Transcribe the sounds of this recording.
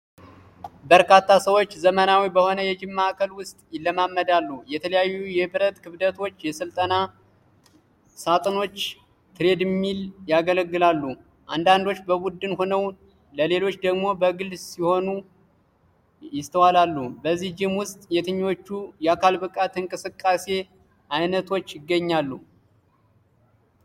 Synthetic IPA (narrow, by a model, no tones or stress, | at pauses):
bəɾkʰat̪ʰːasəwo̞t͡ʃːzəmənawibəho̞nəjɛd͡ʒɪmːakʰəlwʊst̪ʼjɪlːəmamːəd̪alːujɛt̪ʰələjajːujɛbɨɾət̪kʰɨβd̪ət̪ʰo̞t͡ʃːjɛsɨlt̪ʼəna | sat̪ʼɨno̞t͡ʃː | t̪ʰɨɾe̞d̪ɪmːiljaɡələɡːɨlalːu | ʔand̪and̪o̞t͡ʃːbəbud̪ːɨnho̞nəw | ləle̞lo̞t͡ʃːd̪əɡmo̞bəɡɨlsiho̞nu | jɪst̪ʰəwalalːubəzːihd͡ʒɪhmwʊst̪ʼjɛt̪ʰɨɲːo̞t͡ʃːujɛakʰalbɨkʼat̪ɨŋkʼɨsɨkʼːase̞ | ʔajnət̪ʰo̞t͡ʃːjɪɡːəɲːalːu